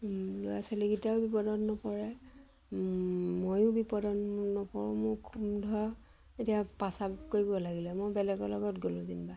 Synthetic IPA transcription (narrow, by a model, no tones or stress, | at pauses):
lʊja̰seliɡitaʊbipɔdɔnːɔpɔɹɛ | mojʊ̃bipɔdɔnnɔpɔɹʊmʊɹkʰumdʱɔɹɔ | etiapasabkoɹibɔlaɡilɛmojbɛlɛɡɔlɔɡɔtɡolũzinba